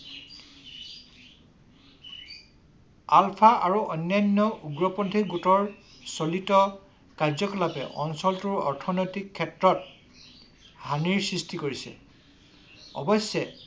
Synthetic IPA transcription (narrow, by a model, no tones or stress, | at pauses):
alpʰaʔaɹuʔɔjnːajnːɔʔuɡɹɔpɔntʰiɡutɔɹ | solitɔ | kaɹzɔkɔlapɛ̰ʔɔ̰nsɔltuɹɔ̰ɹtʰɔnɔjtikʰːɛtɹɔt̚ | haniɹsɹistikoɹisɛ̰ | ɔ̰bɔsːjɛ